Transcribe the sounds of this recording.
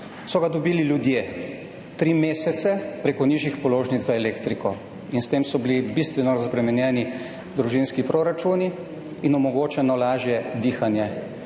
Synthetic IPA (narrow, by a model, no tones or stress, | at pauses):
sɔɡad̪ɔbiːliljud̪je | t̪ɾiːmeːsɛt̪sɛpɾeːkɔniːʒjixpɔloːʒnit̪zaɛleːkt̪ɾikɔ | inst̪eːmsɔbilibist̪ʋɛnɔɾazbɾɛmɛnjɛːni | d̪ɾuʒinskipɾoɾat͡ʃuniː | nɔmɔɡoːt͡ʃɛnɔlaːʒjɛd̪iːxanjɛ